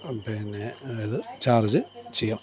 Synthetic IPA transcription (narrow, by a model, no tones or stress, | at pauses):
pinːeiðɨt͡ɕaːrid͡ʑɨ | t͡ɕejːam